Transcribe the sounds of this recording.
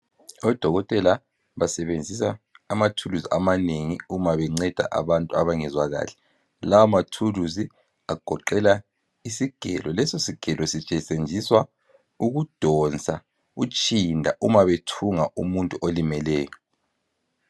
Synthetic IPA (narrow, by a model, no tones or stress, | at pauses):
ɔd̥ʱɔɣɔtʼɛla | βasɛβend͡zʱisaːmatʰuluziʔamaneŋiumaβɛŋ͡ǀɛd̥ʱa̰ʔa̰βantʼuaβaŋɛzwaɣa̰ːlɛ | lawamatʰuluzi | aɡ̥ʱɔǃɛla | isiɡ̥ʱɛ̰lɔlɛsosiɡ̥ʱɛlʔɔsit͡ʃʼɛsʼend͡ʒʱiswa | uɣud̥ʱɔnt͡sʼa | ut͡ʃʼindʱaʔumaβetʰuŋaʔumuntʼuʔolimɛlɛːjɔ